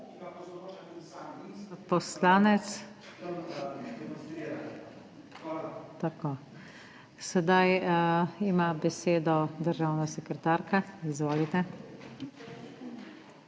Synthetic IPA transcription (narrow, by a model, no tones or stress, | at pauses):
pɔslaːnɛt̪s | t̪akoː | sɛd̪aj | imabɛseːd̪ɔd̪əɾʒaːwnasɛkɾɛt̪aːɾkaizʋoːlit̪ɛ